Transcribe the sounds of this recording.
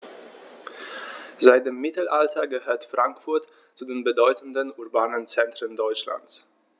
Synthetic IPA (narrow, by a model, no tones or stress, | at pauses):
zaɪt̚d̥eːmːɪtl̩ʔaltʰɐɡəhøːɐtfʁ̥aŋkfʊɐt | t͡sudeːnbədɔʏtn̩dənuɐbaːnənt͡sɛntʁ̥əndɔʏt͡ʃla̰nt͡s